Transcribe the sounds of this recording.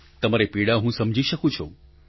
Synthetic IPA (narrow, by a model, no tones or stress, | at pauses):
t̪əmaɾepiɽaɦũsəmd͡ʒʱiʃəkũt͡ʃʰo̰